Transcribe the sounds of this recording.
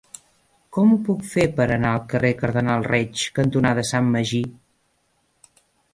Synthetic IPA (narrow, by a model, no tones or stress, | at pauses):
kɔmupukfepəɾənaəlˠkərekəɾðənalˠrɛt͡ʃkənt̪unaðəsamːəʒi